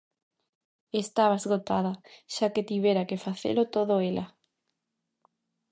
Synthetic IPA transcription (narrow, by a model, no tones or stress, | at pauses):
est̪aβazɣot̪aðɐʃaket̪iβ̞eɾakefaθḛlot̪oðoelʔɐ